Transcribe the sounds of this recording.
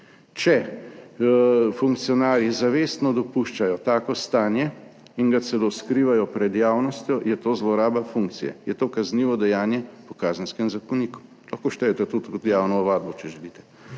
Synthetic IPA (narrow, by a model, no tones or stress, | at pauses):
t͡ʃɛ | fuŋkt̪sijɔnaːɾjizaʋest̪nɔd̪ɔpuʃt͡ʃajɔt̪aːkɔst̪aːnjɛ | inɡasɛloskɾiːʋajɔpɾɛd̪jaːwnɔst̪jɔjɛt̪oːzlɔɾaːbafuŋkt̪sijɛ̰jɛt̪oːkazniːʋɔd̪ɛjaːnjɛpɔkaːzənskɛmzakɔniku̥ | laxkoʃt̪ɛjɛt̪ɛt̪ut̪kɔt̪jaːwnɔːʋaːd̪̚bɔt͡ʃɛʒɛlit̪ɛ̥